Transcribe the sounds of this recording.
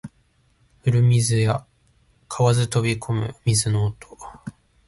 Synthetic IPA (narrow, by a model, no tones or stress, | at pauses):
ɯ̟ɾɯ̟mʲizɨja | kʰaβazɨt̪o̞bʲikʰo̞mɯ̟̰mʲizɨnoːt̪ʰo